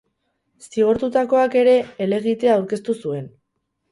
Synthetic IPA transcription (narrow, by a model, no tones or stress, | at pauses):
siɣoɾt̪ut̪ako̞ake̞ɾe̞ːle̞ɣ̞it̪e̞aːwɾke̞st̪usue̞n